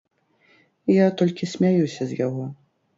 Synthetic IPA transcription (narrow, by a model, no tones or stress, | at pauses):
ijat̪ɔlʲkʲisʲmʲajusʲɐzʲjaɣɔ